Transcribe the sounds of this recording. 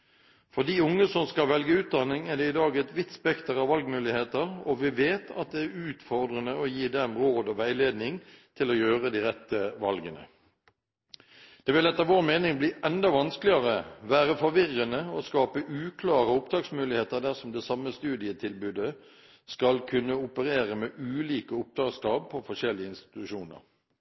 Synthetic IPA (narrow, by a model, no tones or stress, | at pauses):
fɔd̪iːʊŋːəsɔmskɑlʋɛlɡəʉːt̪̚d̪ɑnɪŋæʁd̪ɛɪd̪ɑːɡɛt̪ʋɪt̪ːspɛkt̪əɾɑʋʋɑlɡmʉːlɪheːt̪əʁɔʋɪʋeːt̪ʰɑ̰t̪̚d̪ɛæʉːt̪fɔʁd̪ʁənəɔjiːd̪ɛmʁoːd̪ɔʋæɪleːd̪nɪŋt̪ʰɪlɔjøːʁəd̪iʁɛt̪ːəʋɑlɡənə̰ | d̪̥ɛʋɪlɛt̪ːɑʋoːɾmeːnɪŋbliːʔɛnd̪ɑʋɑnsklɪɑʁəʋæːʁəfɔɾʋɪʁːənəɔskɑːpəʔʉːkʰlɑːʁəʊpd̪ɑːksmʉːlɪheːt̪əɾd̪æʁsɔmd̪ɛsɑmːəst̪ʉːd̪ɪət̪ʰɪlbʉːd̪ə | skɑlkʰʉnːəʊpəɾeːʁəmɛʔʉːliːkəʊp̚d̪ɑːɡskɑːb̚pʰɔfɔʂɛlːɪəɪnst̪ɪ̥t̪ʉʃuːnə̰ʁ